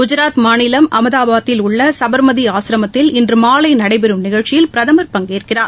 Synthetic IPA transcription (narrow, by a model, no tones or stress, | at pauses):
ɡʊd͡ʒɪɾaːt̪maːnɪlɐmʔɐmɐðaːbʱaːɐt̪ːɪlʊɭːɐsɐbɐɾmɐðiaːsɪɾɐmɐt̪ːɪlɪndrɯmaːlɐɪnɐɽɐɪpɛɾɯmnɪɣɐɻt͡ʃːɪjɪlpɪɾɐðɐmɐɾpɐŋɡiːrkɪraːɾ